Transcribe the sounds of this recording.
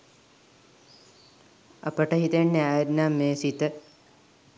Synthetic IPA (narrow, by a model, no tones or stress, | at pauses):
a̰pəʈəɦit̪enːeaːjd̪naːmːeːsit̪ə